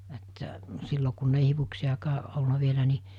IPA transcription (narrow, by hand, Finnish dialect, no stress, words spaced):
etːæ silːo kunːei hiʋuksijɑkɑː ʔolnɑ ʋielæ ni